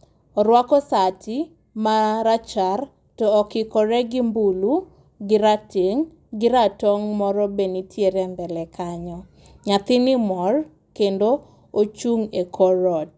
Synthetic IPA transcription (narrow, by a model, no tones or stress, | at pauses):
ɔɾwakɔsati | maɾat͡ʃar | tɔːkɪkɔɾɛɡɪmbulu | ɡɪɾateŋ | ɡɪɾatɔŋmɔɾɔbenitjeɾɛnd̪ɛlɛkʰaɲɔ | ɲat̪ɪnɪmɔr | kendo | ot͡ʃuŋekʰɔɾɔt̚